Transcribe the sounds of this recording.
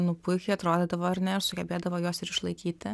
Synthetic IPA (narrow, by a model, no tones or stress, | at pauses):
nʊpʊkʲʊɐt̪ɾoːd̪ʲeːd̪ɐʋoːɐɾnʲɛɪsʊɡʲɛbʲeːd̪ɐʋoːjoːsɪɾɪʃlˠɐɪkʲiːt̪ʲɪ